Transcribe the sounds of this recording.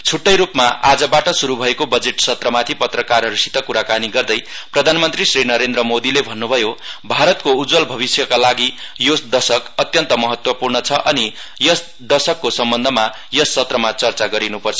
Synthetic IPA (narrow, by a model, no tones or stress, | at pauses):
t͡sʰuʈːʌjɾupmaʔad͡zʌbaʈʌsuɾubʱʌekobʌd͡zeʈsʌt̪rʌmat̪ʰipʌt̪rʌkarɦʌɾusi̥t̪ʌkuɾakaniɡʌrd̪ʌjprʌd̪ʱanmʌnt̪risrinʌɾend̪ɾʌmod̪ilebʱʌnːubʱʌjobʱaɾʌt̪̚koud͡zwʌlbʱʌβisjʌkalaɡi | josd̪ʌsʌkʌt̪jʌnt̪ʌmʌɦʌt̪wʌpurɳʌt͡sʰʌʔʌni | jʌs | d̪ʌsʌkːosʌmbʌnd̪ʱʌma | jʌsːʌt̪rʌmat͡sʌrt͡saɡʌɾinupʌrt͡sʰʌ